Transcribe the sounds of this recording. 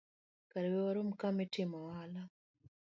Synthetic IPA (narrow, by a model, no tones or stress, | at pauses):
kaɾewewaɾom̩kametimɔwala